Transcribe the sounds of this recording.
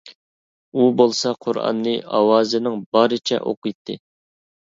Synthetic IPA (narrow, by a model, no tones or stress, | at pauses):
ubolˠsɑqʰʊɾɑ̰nːɨɑwɑːzɨnɪŋbɑɾɨt͡ʃʰɛ̰ʔo̰qɨjt̪ʰːɨ